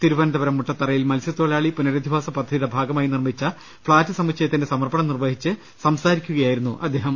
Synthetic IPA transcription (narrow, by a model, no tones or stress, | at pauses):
t̪iɾubɐnɐd̪ɐbɐɾɐmːuʈːɐt̪ːɐrɐjilmɐlsjɐt̪ːoːɭaːɭipunɐɾɐd̪ʱiʋaːsɐpɐd̪ʱːɐðiɽebʱaːɡɐmaːjinirmit͡ɕːɐ | fɭaːtːɨsɐmɐkɕɐjɐt̪ːindesɐmɐrbɐɳɐmnirʋɐɦit͡ɕːɨ | sɐmsaːɾikʲːuɣɐjaːjiɾunːuʔɐd̪ːe̞ːɦɐm